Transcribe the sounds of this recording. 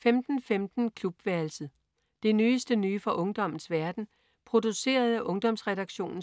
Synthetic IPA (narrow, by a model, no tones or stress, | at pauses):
femd̥n̩femd̥n̩kʰlub̥ʋæɐl̩sð̩ˠ | d̥e̝nyːsd̥ənyːfɒ̽ʔɔ̽ŋd̥ɒ̽m̰n̩ˠsʋæɐd̥n̩ | pʰʁo̝d̥use̝̰ːɐð̞̩ˠæʔɔ̽ŋd̥ɒ̽msʁɛɾ̥ɑ̈ɡ̥ɕo̝̰ːnn̩